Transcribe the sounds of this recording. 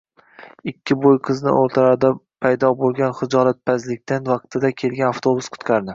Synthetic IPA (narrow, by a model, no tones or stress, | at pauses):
ɪkʲʰːɪbojqʰɨznɪ̰ʔoɾt̪ʰaɾaɾd̪apʰajd̪ɒbolˠɡʲanχɪd͡ʒɒlat̪̚pʰazlɪk̚ʲt̪ʰanvɑq̚t̪ʰɪd̪akʲʰe̞lɡʲanaft̪ʰobʊsqʰʊ̥t̪kʲʰaɾd̪ɪ